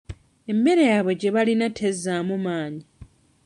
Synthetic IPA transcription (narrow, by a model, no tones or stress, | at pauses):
e̞mːe̞ɾejaβo̞ɟe̞βalinatʰezːaːmumaːɲi